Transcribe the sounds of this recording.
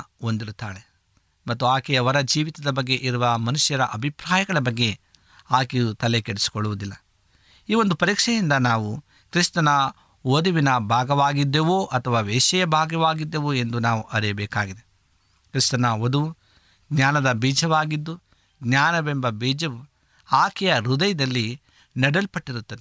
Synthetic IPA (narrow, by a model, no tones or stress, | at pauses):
ond̪iɾut̪ːaːɭe | mɐt̪ːuaːkɛjɐʋɐɾɐd͡ʒiːʋit̪ɐd̪ɐbɐɡːe̞ʔiɾuʋɐmɐnuʂjɐɾɐʔɐbʱipɾaːjɐɡɐɭɐbɐɡːe̞ | aːkejut̪ɐlekeɽesi̥koɭuʋud̪ilːɐ | iːʋo̞nd̪upɐɾiːkʂɛjind̪ɐnaːʋu | kɾist̪ɐnɐ | od̪uʋinɐbʱaːɡɐʋaːɡid̪ːeʋoːʔɐt̪ʰɐʋaːʋɛːʃɐjɐbʱaːɡɐʋaːɡid̪ːeʋue̞nd̪unaːʋuʔɐɾijɐbɛːkaːɡid̪e̞ | kɾist̪ɐnɐod̪uʋu | ɡnaːnɐd̪ɐbiːd͡ʒɐʋaːɡid̪ːu | ɡɲaːnɐbembɐbiːd͡ʒɐʋu | aːkɛjɐɾud̪ɐjɐd̪ɐlːi | nɛɽɐlpɐʈːiɾut̪ːɐd̪e